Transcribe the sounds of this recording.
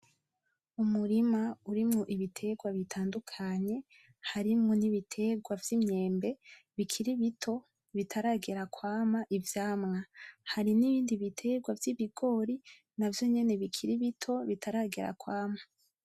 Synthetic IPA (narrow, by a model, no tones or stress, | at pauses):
umuɾimauɾimŋo̞ʔiβitʰe̞ɡwaβitʰaːndukʰaɲe̞ | haɾimŋoniβitʰe̞ɡwavjimɲe̞ːmbe̞ | βikʰiɾiβitʰo̞ | βitʰaɾaːɡe̞ɾakwaːmaʔivjaːmŋahaɾiniβiːndiβitʰe̞ɡwavjiβiɡo̞ɾi | navjo̞ɲe̞ne̞βikʰiɾiβitʰo̞βitʰaɾaːɡe̞̰ɾa̰kwaːmḁ